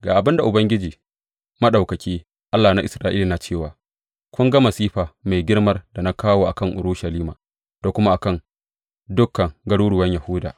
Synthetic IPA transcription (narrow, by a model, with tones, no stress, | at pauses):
ɡaː˨ʔa˨bɪ˦nda˨ʔʊ˨bɐ˦ŋɡʲɪ˦d͡ʒiː˨ | mɐ˦ɗa˨wkɐ˨kʲeː˦ | ʔa˦lːaː˨na˦ʔɪ˨sɾaː˦ʔiː˦la˨naː˨t͡ʃeː˦˨waː˨ | kʷʊ˦ŋɡɐ˦mɐ˨siː˦ɸaː˨ma˨jɡʲɪ˦ɽmɐ˦rda˨na˦kaː˦woː˦ʔa˨kɐ˦˨ŋʔʊ̰˨ɾuː˦ʃɐ˨liː˦maː˨ | d̥a˨kʷʊ˦ma˦ʔa˨kɐ˦˨ŋ | dʊ˦kːɐ˨ŋɡɐ˦ɽuː˦ɽʊ˨wɐ˦ɲjɐ˨hʊː˦da̰ː˨